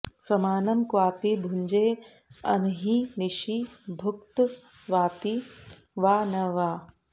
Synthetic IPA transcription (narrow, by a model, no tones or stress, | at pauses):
sɐmaːnɐmkwaːpibʱuɲd͡ʒeː | ɐ̰nɦiniʃibʱʊkt̪ | ʋaːt̪i | ʋaːnɐʋaː